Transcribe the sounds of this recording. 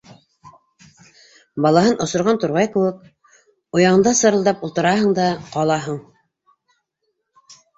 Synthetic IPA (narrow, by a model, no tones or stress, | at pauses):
bɑlˠɑɦɤnʔŏsŏɾʁɑnt̪oɾʁɑjkɘ̆wɘk̚ | ŏjɑʁɤ̆nd̪ɑsɤ̆ɾɤ̆ld̪ɑpulˠt̪ɤ̆ɾɑɦɤɴd̪ɑqɑlˠɑɦɤɴ